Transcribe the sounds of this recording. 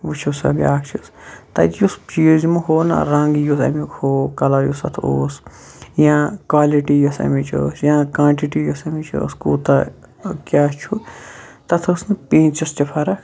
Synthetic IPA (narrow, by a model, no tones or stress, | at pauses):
ʋut͡ʃʰusɐ̰bʲja̰ːkt͡ʃʰust̪ɐ̰t̪just͡ʃizmuɦoːna̰ɾɐ̃ŋɡjusɐ̰mikhoːkɐlɐɾjusɐ̰t̪ʰo̰ːs | jãːkʋaːliʈijɐsɐ̰mit͡ʃʰo̰sjãːkãːɳʈiʈijosɐmit͡ʃʰṵskṵːt̪ɐ | kʲaːt͡ʃʰut̪ɐt̪ʰosnɨpĩːnt͡ʃɐst͡ʃɐpʰɐɾɐ